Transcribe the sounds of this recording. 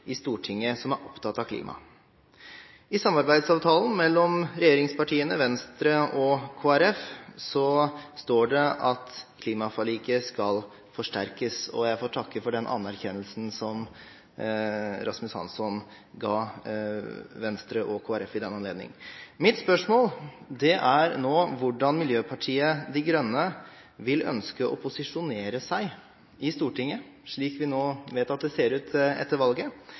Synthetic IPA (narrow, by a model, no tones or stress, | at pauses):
ɪst̪uːʈʰɪŋːəsɔmæɾʔɔpt̪ʰɑt̪ːɑkʰlḭːmʔɑ̰ | ɪsɑmːɑɾbæɪd̪sɑːʋt̪ʰɑːln̩mɛlːɔmɾɛjeːɾɪŋspɑʈʰiːənəʋɛnst̪ɾəɔkʰoːæɾɛfsɔst̪oːɖɛʔɑt̪kʰliːmɑfɑliːkəskɑl | fɔʂʈæɾkəsɔ̰jæɪfoːʈ̪ʰɑkːəfɔɖɛnʔɑ̰nːæɾçɛnːəlsn̩sɔm | ɾʔɑsmʉshɑ̰nsɔn | ɡɑː | ʋɛnst̪ɾəʔɔkʰoːæɾɛfɪd̪ɛnːɑnleːd̪nɪ̰ŋmɪt̪spœʂmoːld̪ɛʔæɾnoːʋʊɖɑnmɪljøːpʰɑʈʰiːəd̪ɪɡɾœnːə | ʋɪlœ̰nskəʔɔ̰pʰʊsɪʂʊneːɾəsæɪ | ɪst̪uːʈɪŋːə | ʂɭiːkʋɪnoːʋeːt̪ɑt̪̚d̪ɛseːɾʉːt̪ʰɛ̰t̪ːəɾʋɑlɡə